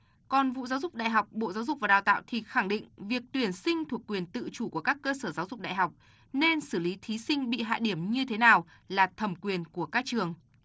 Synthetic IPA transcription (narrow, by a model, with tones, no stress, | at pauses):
kɔ˨˩nvṵ˧˨zaː˨˦wzʊ˨˩k͡p̚ɗa̰˧˨jɦa˨˩wk͡p̚ɓo̰˧˨zaː˨˦wzʊ˨˩k͡p̚vaː˨˩ɗaː˨˩wt̪a̰ː˧˨wt̪ʰi˨˩xa˧˩ŋɗḭ˧˨ŋ̟vi˨˩ək̚t̪wi˧˩ənsï˧ŋ̟t̪ʰu˨˩əkːwi˨˩ənt̪ɨ̰˧˨t͡ɕu˧˩ku˧˩əkaː˦˥kːəː˧səː˧˩zaː˨˦wzʊ˨˩k͡p̚ɗa̰ː˧˨jɦa˨˩wk͡p̚ | ne˧nsɨ˧˩li˨˦t̪ʰi˨˦sï˧ŋ̟ɓḭ˧˨ɦa̰ː˧˨ɗi˧˩əmɲɨ˧t̪ʰe˨˦naː˨˩w | laː˨˩t̪ʰə˨˧˩mkwi˨˩ənku˧˩əkaː˦˥k̚t͡ɕɨ˨˩əŋ